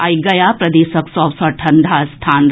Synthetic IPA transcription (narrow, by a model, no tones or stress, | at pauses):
aːjɡɐjaːpɾɐd̪eːsɐksɔːʋsɐʈʰɐnd̪ʱaːst̪ʰaːn